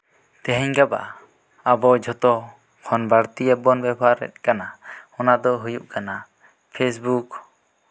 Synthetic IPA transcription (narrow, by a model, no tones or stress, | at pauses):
t̪ɛɦɛɲɡaba̰ | abɔd͡ʒʱɔt̪ɔ | kʰɔnbaɽt̪iɛbɔnbɛbaɾːɛ̰t̪̚kanaɔnad̪ɔɦujuʔ̚kana | pʰes̬buk